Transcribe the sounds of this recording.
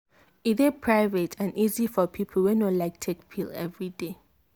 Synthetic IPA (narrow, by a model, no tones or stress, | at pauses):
iðɛpʰɹajvɛtʰãnizifɔpʰipʰl̩wɛnolaɪk̚tʰek̚pʰilɛ̰vɹide